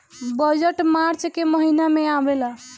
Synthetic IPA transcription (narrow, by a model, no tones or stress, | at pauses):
bəd͡ʒəʈmaɾt͡ʃkeməɦinameabela